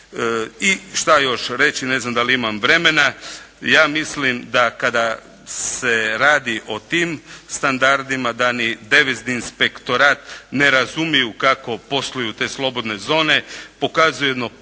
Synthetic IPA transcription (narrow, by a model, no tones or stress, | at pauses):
iʃt̪ajo̞ʃɾe̞t͡ʃine̞znamd̪aliimamʋɾe̞me̞na | jaːmislimd̪akad̪a | se̞ɾaːd̪iʔo̞t̪iːmst̪and̪aɾd̪imad̪anid̪e̞ʋezniːnspe̞kt̪o̞ɾaːt̪ne̞ɾazumijukako̞po̞slujut̪e̞ːslˠo̞bo̞d̪ne̞zo̞ːne̞po̞kazujed̪mo